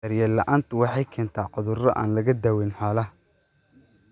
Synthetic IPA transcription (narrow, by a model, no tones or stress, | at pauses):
ɐɾjɛlɐʔaːnt̪ʰʊwɑħɑjkʰɛːnt̪ʰaːqʊðʊrɔʔa̰ːnlɐɣɐd̪aːwɛnħɑːlɐ